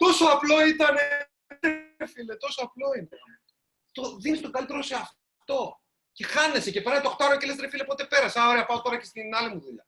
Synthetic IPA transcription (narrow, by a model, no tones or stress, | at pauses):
t̪o̞soɐplo̞it̪ɐne | t̪ɾefilet̪o̞soɐplo̞ine | t̪o̞ðinist̪o̞kɐlit̪e̞ɾo̞se̞ɐf | t̪o̞ | ce̞xɐne̞se̞cepeɾɐnet̪oxt̪ɐɾoce̞le̞st̪ɾefilepo̞t̪e̞pe̞ɾɐseaoɾeɐpɐot̪o̞ɾɐce̞st̪inɐlimuðuʎɐ